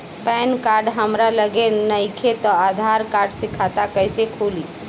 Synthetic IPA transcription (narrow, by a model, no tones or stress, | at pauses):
pɛnkaɾɖɦəmɾaləɡenəɪkʰet̪ɔad̪ʱaɾkaːɾɖsɪkʰat̪akəɪsekʰuli